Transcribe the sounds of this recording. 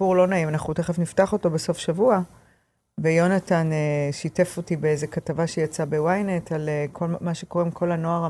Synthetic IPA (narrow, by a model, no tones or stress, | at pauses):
uʁlo̞naimanaχute̞χefniftaχo̞to̞be̞so̞fʃavua | vejo̞nataneʃite̞fo̞tibeeze̞katavaʃejat͡sabe̞wajnetʰalkʰomaʃe̞ko̞ʁemkʰo̞lanoaʁa